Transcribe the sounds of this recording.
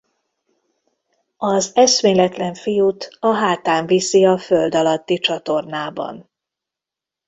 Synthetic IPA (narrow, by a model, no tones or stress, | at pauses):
ɒzɛʃmeːlɛt̪lɛɱfijut̪ɒɦaːt̪aːɱvisiɒføld̪ɒlɒt̪ːit͡ʃɒt̪o̞rnaːbɒ̰n